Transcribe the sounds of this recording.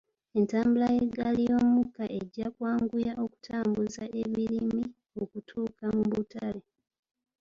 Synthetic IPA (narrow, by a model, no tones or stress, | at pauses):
e̞ntaːmbulajeɡalijo̞mmukːaʔe̞ɟːakwaːŋɡujaʔo̞ku̥tʰaːmbuzaʔe̞βiɾimmi | o̞kutʰuːkamuβutale